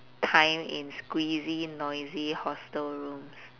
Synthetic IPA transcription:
tʰãɪ̃mḭ̃nskwizinɔɪzihɔstəlɹũms

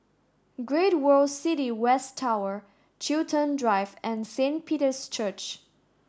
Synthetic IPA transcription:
ɡɹeɪt̚wɜ˞lˠdsɪɾiwɛstʰaʊə | t͡ʃʰiltʰə̃ndɹaɪvɛ̃nsẽnpʰiɾə˞st͡ʃʰɜt͡ʃ

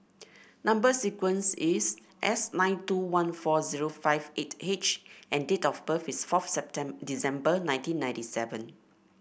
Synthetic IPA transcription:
nãmbəsikwə̃nsis | ʔɛsnãɪ̃ntuwãnfɔziɹofaɪvethet͡ʃʔɛ̃ndetɔfpəfisfɔfsɛp̚tɛ̃disɛ̃mbənãɪ̃ntĩnːãj̃ntisɛvə̰̃n

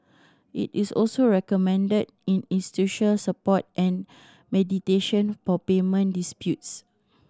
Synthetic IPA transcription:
ʔḭtisɔ̰lsoɹɛkɔmɛ̃ndəd | ĩnĩnsi̥tuʃəlsəpɔt̚ʔɛ̃n | mɛditeʃə̃nfɔpemə̃ndispjut̚s

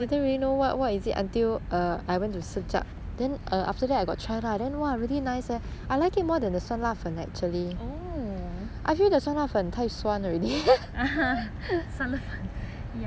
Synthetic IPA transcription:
didə̃nɹilinowɔtwɔtisitã̰ntilʌajwɛ̃ntːusid͡ʒa̰k̚ | dɛ̃nʔʌʔaftədɛtajɡɔ̰t̚tːʰɹajladɛ̃nwaɹilinaɪsɛʔajlaɪkit̚mɔdɛ̃ndəswãnlafə̃nɛ̰k̚t͡ʃuəlio | ʔajfildəswãnlafə̃ntʰaɪpswãnɔɹɛdi | aɦa | sãnlafãn | ja

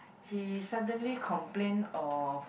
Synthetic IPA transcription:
hisadə̃nlikʰɔ̃mplẽnɔf

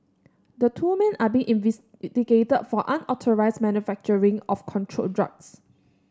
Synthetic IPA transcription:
dətʰuːmɛ̃nabĩŋʔĩnv | tiɡetəd̚fɔʔãnɔtʰɔɹaɪsmɛ̃njufɛk̚t͡ʃəɹĩŋɔfkʰɔ̃ntʰɹo̰ldɹa̰k̚s

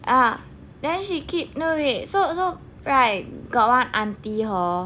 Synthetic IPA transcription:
ʔa | dɛ̃nʃikʰip̚nowesoso | ɹajɡɔt̚wãnãntiɦɔ

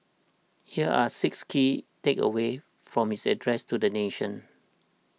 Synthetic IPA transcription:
hiəʔasɪkskʰitekə̰we | fɹɔ̃mhisɛdɹɛstudəneʃə̃n

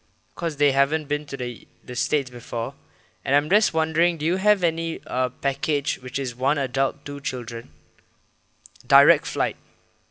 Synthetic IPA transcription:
kʰɔsdeɦɛvə̃nbĩntudə | dəstetsbifɔ | ʔɛ̰̃nãɪ̃md͡ʒʌstwãndəɹɪ̃ŋdujuɦɛvɛniʌpɛkʰɪd͡ʒwɪt͡ʃɪswãnədaltːut͡ʃɪldɹə̃n | daɪɹɛk̚tflaɪt̚

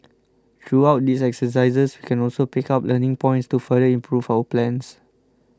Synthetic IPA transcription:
t̪ʰɹuaʊt̚disɛksəs̬aɪzəswikɛ̃nɔlsopikaplənĩŋpɔ̃j̃ntstufədəĩmpʰɹuvawəplɛ̃ns

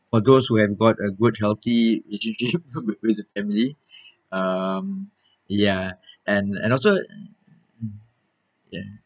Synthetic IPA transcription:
fɔd̪oshuhɛvɡɔtəɡud̚hɛlθiileʃə̃nʃip̚wwɪdəfɛ̃mili | ʌ̃m | jaʔɛ̃nɛ̰̃nɔls̬o | ja̰

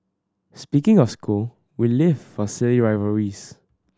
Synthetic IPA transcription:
spikɪ̃ŋɔfsku | wilɪvfɔsɪliɹaɪvəɹis

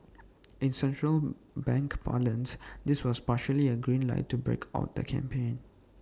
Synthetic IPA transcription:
ʔĩnsɛ̃ntɹəl | bɛ̃ŋkpa̰lə̃nsdɪswɔspaʃəliəɡɹĩnla̰ɪtːubɹḛkʰa̰ʊt̚d̪ə̰kʰɛ̰̃mpʰẽn

